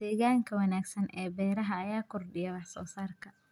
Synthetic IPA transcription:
d̪̥ɛːɣaːŋkʰɐwɐnaːɡsɐnʔɛːbɛːɾɐɦɐːjaːkʰʊrɖɪjɛwɑħsɔːsaːrkʰɐ

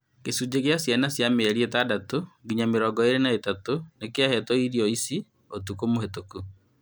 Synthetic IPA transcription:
kesud͡ʒeɣeasjanasjameɛɾiɛtadatoɡiɲameɾɔɡɔeɾenaetatonekeahɛtɔiɾiɔisi | otukomohetoku

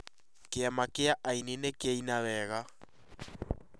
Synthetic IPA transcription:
keamakeaʔainenekeainawɛɣa

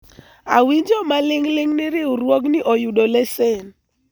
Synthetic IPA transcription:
awiɲd͡ʒɔmalɪŋlɪŋnɪɾɪuɾwɔknɪʔɔjuɗolɛsɛn

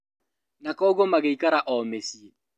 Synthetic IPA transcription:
nakɔɡɔmaɣeikaɾaʔɔmesie

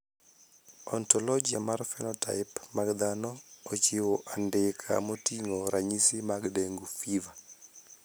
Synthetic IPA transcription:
ɔntɔlɔd͡ʒia̰marfɛnɔta̰ɪpmaɡd̪anɔːt͡ʃɪwɔʔandɪkʰa̰motiŋoɾaɲisɪmaɡdeŋɡufiva

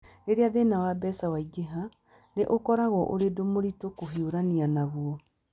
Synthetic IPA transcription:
eɾeaðenawabɛsawaiɡeɦa | neʔokɔɾaɣɔʔoɾedomoɾitokoɦioɾanianaβwɔ

